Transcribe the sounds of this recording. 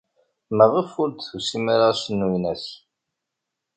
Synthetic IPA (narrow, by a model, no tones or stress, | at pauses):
məʁəfʊɾt̪θusimaɾasənːwinæs